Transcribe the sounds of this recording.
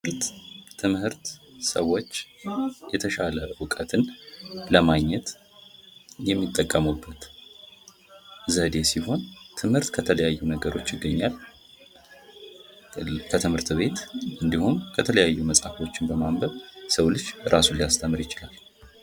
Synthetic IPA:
ɾt̪ʰːɨmhɨɾt̪səwo̞t͡ʃːjɛt̪ʰəʃaləwɨkʼət̪ʰɨnləmaɡɲːɛt̪ | jɛmːit̪ʼːəkʼːəmubːət̪ | zəd̪e̞siho̞nt̪ʰɨmhɨɾt̪kʰət̪ʰələjajːunəɡəɾo̞t͡ʃːjɪɡːəɲːal | kʰət̪ʰɨmhɨɾt̪βe̞t̪ʔɨnd̪ihumkʰət̪ʰələjajːuməsʼafo̞t͡ʃːɪnbəmambəβsəwlɨt͡ʃːɾʔasunlijast̪ʰəmːɨɾjɪt͡ʃɪlal

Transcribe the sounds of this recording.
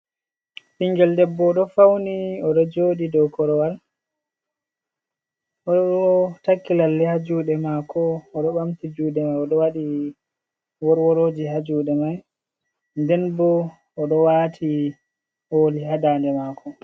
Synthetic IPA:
fiŋɡɛldɛbːɔɗɔfawniɔɗɔd͡ʒoːɗidɔkɔɾɔwal | ɔɔtakːilalːɛhad͡ʒuːɗɛmakɔːɗɔɓamtid͡ʒuːɗɛmajɔɗɔwaɗi | wɔɾwɔɾoːd͡ʒiɦad͡ʒuːɗɛmaj | ndɛnbɔː | ɗɔwatʰi | hoːlihaɗaːndɛmakɔ

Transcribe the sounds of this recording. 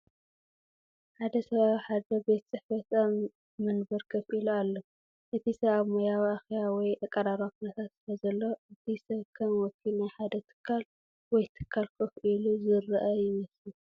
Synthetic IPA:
ħad̪ɐsɐβaβħad̪ɐbe̞t̪t͡sʼɨħfɐt̪a | mɨnbɐɾkʰɐfʔilualːo | ʔɨt̪ʰisɐβaβmojawiaxjawɔjʔɐkʼːɐɾaɾakʰunɐt̪ʰat̪sɨlɐzɐlːo̞ɨt̪ʰisɐβkʰɐmwɔkʰːinajħad̪ɐt̪ʰɨ̥kʰːal | wɔjt̪ʰɨ̥kʰːalkʰɐfʔiluzɨrɨʔɐjɪmɐslu

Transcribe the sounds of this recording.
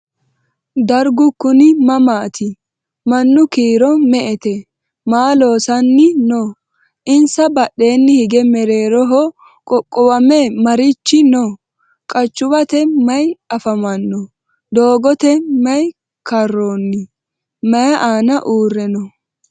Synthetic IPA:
d̪ɐɾɡʊkːʊnɪmɐmaːt̪ʰɪ | mɐnːʊkiːɾɔmɛʔɛt̪ɛ | maːlo̞ːsɐnːɪno | ʔɪnsɐbɐɗːe̞ːnːɪhɪɡɛmɛɾe̞ːɾɔɦɔ | kʼɔkʼːɔwɐmɛmɐɾɪt͡ʃːɪno | kʼɐt͡ʃːʊbɐt̪ɛmɐjɐfɐmɐnːɔ | d̪o̞ːɡɔt̪ɛmɐj | kɐrːonːɪ | mɐjɐʔaːnɐʔuːrːɛnɔ

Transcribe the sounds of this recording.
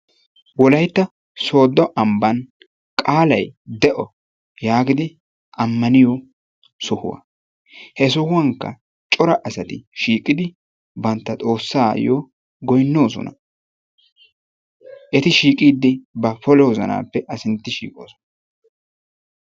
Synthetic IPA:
wɔlɐjt̪ːɐ | so̞ːd̪ɔʔɐmbɐn | kʼaːlɐjd̪ɛʔɔ | jaːɡɪd̪ɪ | ʔɐmːɐnɪjɔ | sʊhʊ̰wɐ̰ | hɛs̬ʊhʊwɐŋkːɐ̰ | t͡ʃʼɔɾɐʔɐsɐt̪ɪʃiːkʼːɪd̪ɪ | bɐnt̪ːɐt̪ʼo̞ːsːaːjoː | ɡɔjnːo̞ːsɔ̰nɐ̰ | ʔɛt̪ɪʃiːkʼiːd̪ːɪbɐfɔlɛwɔzɐ̰na̰ːpːɛʔɐsɪnt̪ːɪʃḭːkʼo̰ːsɔ̥nɐ

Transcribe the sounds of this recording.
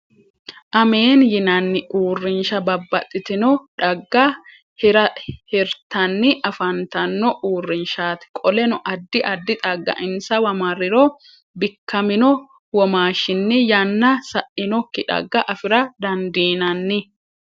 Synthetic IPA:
ʔɐme̞ːnjɪnɐnːɪʔuːrːɪnʃɐbɐbːɐt̪ʼːɪt̪ɪnɔᶑɐɡːɐ | hɪɾɐhɪɾt̪ɐnːɪʔɐfɐnt̪ɐnːɔʔuːrːɪnʃaːt̪ɪ̥kʼɔlɛnʊʔɐd̪ːɪʔɐd̪ːɪt̪ʼɐɡːɐ̰ʔɪnsɐwɐmɐɾːɪɾɔ | bɪkːɐmɪnɔ | wɔmaːʃːɪnːɪjɐnːɐsɐʔɪnɔkːɪᶑɐ̰ɡːɐʔɐfɪɾɐd̪ɐnd̪iːnɐnːɪ

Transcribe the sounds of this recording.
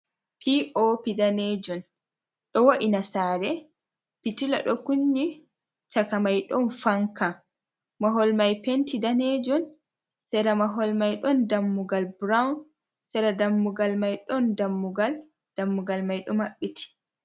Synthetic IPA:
pʰiʔopidaned͡ʒɔn | ɗɔwoʔinasaɾɛ | pitila̰ɗɔkuɲːi | t͡ʃakamajɗɔnfaŋka | maɦɔlmajpentidaned͡ʒɔn | sɛɾamaɦɔlmajɗɔndamːuɡalbɾawn | sɛɾadamːuɡalmajɗɔndamːuɡal | d̥amːuɡalmajɗɔmaɓːitʰi̥

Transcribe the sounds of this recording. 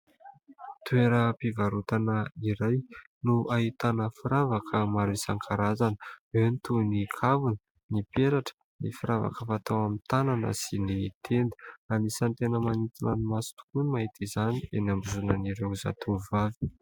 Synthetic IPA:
t̪ueɾəpivaɾut̪anəiɾaj | nuʔaɦit̪anəfiɾavakʰəmaɾisaŋkʰaɾazanəwewnit̪unikʰavunə | nipeɾaʈ͡ʂə̥ | nifiɾava̰kəfat̪awamit̪ananə̰sinit̪ʰend̪i̥anisant̪enəmanit̪inənimasi̥t̪u̥kunimaɦit̪izanienambuzunəniɾeza̰t̪ʰuvavi̥

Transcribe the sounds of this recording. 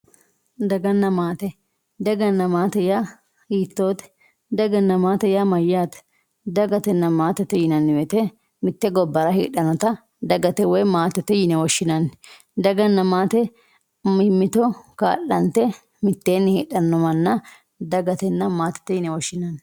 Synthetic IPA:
d̪ɐɡɐnːɐmaːt̪ɛ | d̪ɐɡɐnːɐmaːt̪ɛja | ɡiːt̪ːoːt̪ɛ̥ | d̪ɐɡɐnːɐmaːt̪ɛjamɐjːaːt̪ | d̪ɐɡɐt̪ɛnːɐmaːt̪ɛt̪ːɛjɪnɐnːɪwɛt̪ɛ | mɪt̪ːɛɡɔbːɐɾɐhḭːɗɐnɔt̪ɐ | d̪ɐɡɐt̪ɛwɔjmaːt̪ːɛt̪ːɛjɪnɛwɔʃːɪnɐn | d̪ɐɡɐnːɐmaːt̪ɛ | mɪmːɪt̪ɔka̰ːʔːɐnt̪ːɛ | mɪt̪ːeːnːɪhiːɗɐnːɔmɐnːɐ | d̪ɐɡɐt̪ɛnːɐmaːt̪ːɛ̥t̪ːɛjɪnɛwɔʃːɪnɐn

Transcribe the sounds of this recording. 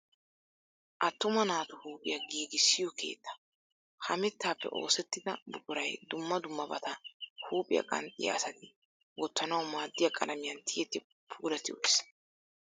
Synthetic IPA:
ʔɐt̪ːʊmɐnaːt̪ʊhuːpʼɪjɐɡiːɡɪsːɪjɔkʰe̞̰ːt̪ːɐ̥ | hɐmɪt̪ːaːpːɛ̰ʔo̞ːsɛt̪ːɪd̪ɐbʊkʼʊɾɐjd̪ʊmːɐd̪ʊmːɐbɐ̰t̪ɐhuːpʼɪjɐ̰kʼɐ̰nt̪ʼɪ̰jɐ̰ːsɐt̪ɪ | wɔt̪ːɐnɐwmaːd̪ːɪjɐkʼɐlɐmɪjɐnt̪ʰɪjɛt̪ːɪ | pʰuːlɐt̪ɪwɔjs

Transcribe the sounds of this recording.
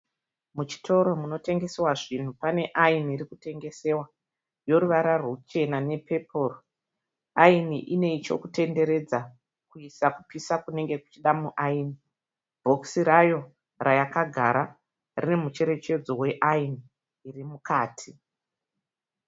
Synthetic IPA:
mut͡ʃi̥tʰo̞ɾo̞muno̞te̞ŋɡe̞sewaʐin̤upane̞ʔainiiɾikute̞ŋɡe̞se̞wa | jo̞ɾuʋaɾarwot͡ʃe̞nane̞pepʰo̞ːro | ainiʔine̞it͡ʃo̞̰kute̞nde̞ɾe̞d͡za | kuisakupisakune̞ŋɡe̞ku̥t͡ʃiɗamuʔaini | bʱo̞ksiɾajo̞ | rajakaɡʱaɾa | rine̞mut͡ʃe̞ɾe̞t͡ʃe̞d͡zo̞we̞ʔainiː | rimukaːtʰi

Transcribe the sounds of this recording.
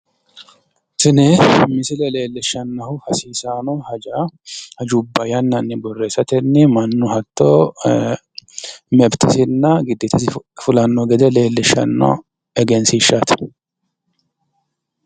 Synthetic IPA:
sɪnɛmɪsɪlɛle̞ːlːɪʃːɐnːɐhʊhɐsiːsaːnɔhɐd͡ʒaːhɐd͡ʒubːɐjɐnːɐnːɪbɔrːeːsɐt̪ɛnːɪmɐnːʊhɐt̪ːo | mɛbt̪ɪsɪnːɐɡɪd̪ːɪt̪ɪsɪfʊlɐnːɔɡɛd̪ɛle̞ːlːɪʃːɐ̰nːɔ̰ | ɛɡɛnsiːʃːaːt̪ɪ̥

